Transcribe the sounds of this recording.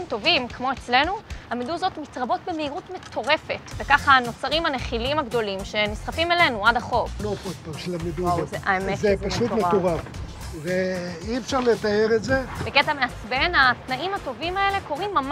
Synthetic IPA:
mt̪o̞vimkmo̞et͡sle̞nuhameduzo̞tmitʁabo̞tbe̞meiʁutmet̪ʰo̞ʁe̞fe̞tvekaχano̞t͡saʁimhaneχilimaɡd̪o̞limʃe̞nisχafimele̞nuadaχo̞vlopotpaʃelamed̪uzeʔaemetzepaʃut̪neauʁav | zeiefʃaʁlet̪aeʁetzebeketameat͡sbenat̪naʔimato̞vimae̞le̞ko̞ʁimːam

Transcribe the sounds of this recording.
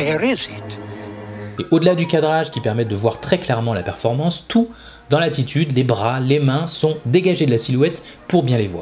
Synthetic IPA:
ɾezit̪ | eʔod̪əlad̪ykad̪ʁaʒkʲipɛʁmɛt̪̚d̪əvwaʁt̪χɛklɛʁmɑ̃lapɛʁfɔʁmɑ̃st̪u | d̪ɑ̃lat̪it̪ʰyd̪lebʁalemɛ̃sɔ̃d̪eɡaʒed̪əlasilwɛt̪ | puʁbjɛ̃levwa̰ː

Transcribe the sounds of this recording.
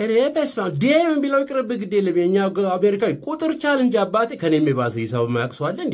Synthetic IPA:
əɾebesfamd̪emɨmbiləwkʼɨɾɨbɨɡɨd̪eləmjeɲːaameɾikawikʼut̪ʼɨɾt͡ʃalɨnd͡ʒabːat̪ʰekʰənemːeβasəjisaβɨmːajakʼswalːən

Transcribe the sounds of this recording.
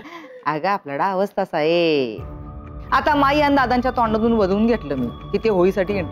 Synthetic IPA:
aɡaːplaɽaːʋəst̪asaɦe | at̪amaiand̪ad̪ãɲt͡ɕjat̪ɔɳɖəd̪uːnʋəd̪ʱuːnɡʱeʈ̪ləːmḭːkiːt̪eɦoiːsaʈiːeɳ

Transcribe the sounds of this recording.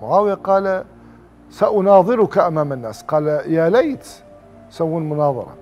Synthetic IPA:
ʊʕaːwɪjaqɑːl | saʔʊnɑːðˤɨɾʊkaʔamæmənːæsqɑːljælejt̪ | sawːunmʊnɑðˤɑ̰ɾˤɑ̰

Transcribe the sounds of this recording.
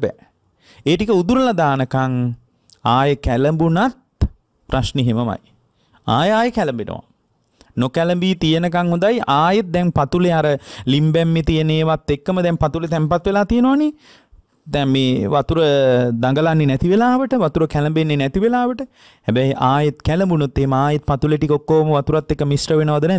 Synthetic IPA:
bɛ̰ː | eːʈikəud̪uɾəlad̪aːnəkaŋ | aːjəkæləmbunat̪̚ | praʃneɦeməma̰j | aːjəaːjəkɛləmbenə̰ʋa̰ | nokɛləmbiːt̪ijənəkaŋhõnd̪ajʔaːjet̪̚d̪ɛŋpat̪uleaɾəlimbɛmːet̪ijəneːʋat̪ːekːəməd̪ɛmpat̪ulet̪ɛmpat̪ʋelaːt̪ijənoʋane | d̪ɛŋmeːʋat̪uɾəd̪aŋɡəlanːenɛt̪iʋelaːʋəʈəʋat̪uɾəkæləmbenːenɛt̪iʋelaːʋəʈə | hæbɛjʔaːjet̪kɛləmbunot̪ːeɦeməaːjet̪̚pat̪uleʈikokːoːməʋat̪uɾat̪ːekːəmisrəʋenəʋad̪ənɛ

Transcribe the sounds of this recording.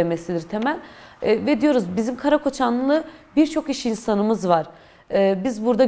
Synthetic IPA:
emesid̪iɾt̪ʰemælʲːvɛd̪ijo̞ɾuzbizimkʰaɾakʰo̞t͡ʃʰanllˠɯbiɾt͡ʃʰo̞kiʃinsanɯmɯzvaɾ̥ | ɯbizbuɾd̪a

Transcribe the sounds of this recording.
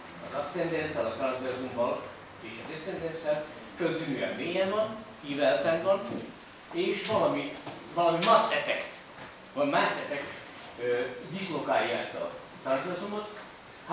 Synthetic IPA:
ɒd̪ɒsɛnd̪ɛnsɛlɒt̪ɒrzd̪ɛzumvɒl | eːʃɒd̪ɛsɛnd̪ɛnsɛl | fønt̪ynyːɛ̰mbeːjɛvɒnhiːvɛlt̪ɛmbɒn | eːʃvɒlɒmi | vɒlɒmimaːʃɛfɛkt̪ | vɒmaːʃɛfɛkt̪ | ød̪islo̞kaːjːɒɛst̪ɒ̰ | t̪ɒɾzd̪ɛzumot̪ | h

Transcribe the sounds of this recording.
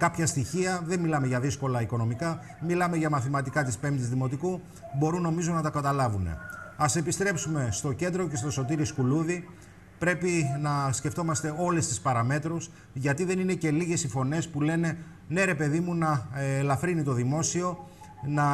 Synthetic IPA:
kɐpçɐst̪içiɐðe̞nmilɐmeʝɐðisko̞lɐiko̞no̞mikɐ | milɐme̞ʝɐmɐθimɐt̪ikɐt̪ispe̞mt̪izðimo̞t̪iku | bo̞ɾuno̞mizo̞nɐt̪ɐkɐt̪ɐlɐvune̞̰ɐse̞pist̪ɾe̞psume̞st̪o̞ce̞nd̪ɾo̞ce̞st̪o̞so̞t̪iɾiskuluði | pɾe̞pinɐsce̞ft̪o̞mɐst̪e̞o̞le̞st̪ispɐɾɐme̞t̪ɾus | ʝɐt̪iðe̞nine̞ce̞liʝe̞sifo̞ne̞spule̞ne̞ | ne̞ɾe̞pe̞ðimunɐlɐfɾinit̪o̞ðimo̞sio̞nɐ

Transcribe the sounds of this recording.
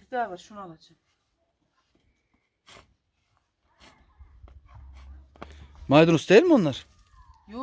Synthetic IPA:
d̪avaɾʃunaalˠat͡ʃʰam | majd̪unusd̪ejilʲmonlˠaɾ̥ | ju

